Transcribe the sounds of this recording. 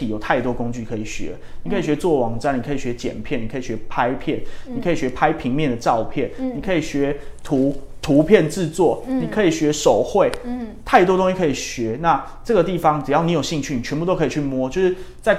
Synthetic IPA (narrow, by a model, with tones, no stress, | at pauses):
i˨jo˨˩ʊt̪ʰa˥˩ɪt̪wɔ˥ko˥ŋt͡ɕy˥˩kʰɤ˧˥i˨˩ɕɥɛ̰˧˦ | ni˨kʰɤ˦˥i˨˩ɕɥɛ˧˦t͡swɔ˥˩wɑ˧˥ŋʈ͡ʂa˥ni˨˩kʰɤ˧˥i˨˩ɕɥɛ˧˦t͡ɕjɛ̰˨˩npʰjɛ˥˩ni˨kʰi˨˩ɕɥɛ˧˦pʰa˦˥ɪpʰjɛ˥˩nnni˨˩kʰɤ˧˦˥i˨˩ɕɥɛ˧˥pʰa˦ɪpʰi˧˥ŋmjɛ˥˨nd̪ə˩ʈ͡ʂɑ˥˧ʊpʰjɛ˥˩nni˨˩kʰɤ˧˥i˨˩ɕɥɛ˧˥t̪ʰu˨˥t̪ʰu˧˦pʰjɛ˥˧nʈ͡ʂɹɻ̩˥˧t͡swɔ˥˩ni˨˩kʰɤ˧˦˥i˨˩ɕɥɛ˧˥ʂo˨˩ʊxwe˥˨ɪt̪ʰa˥˩ɪt̪wɔ˥t̪o˥ŋɕi˥kʰɤ˧˥i˨˩ɕɥɛ˨˧˥na˥˨ | ʈ͡ʂɤ˥˩ɡə˩t̪̬i˥˩fɑ˦ŋʈ͡ʂ̩˨˩jɑ˥˩ni˧˥jo˨˩ʊɕi˥˧ŋt͡ɕʰy˥˩ni˨t͡ɕʰɥɛ˧˥npu˥t̪o˥ʊkʰə˧˨i˨˩t͡ɕʰy˥˩mwɔ˦˥t͡ɕjo˥˧ʊʂɻ̩˥˩t͡sa˥˧ɪ